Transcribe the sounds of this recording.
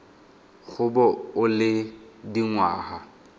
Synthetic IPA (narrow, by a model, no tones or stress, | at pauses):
ɣʰʊbɔʊlɪdiŋwa̰ːha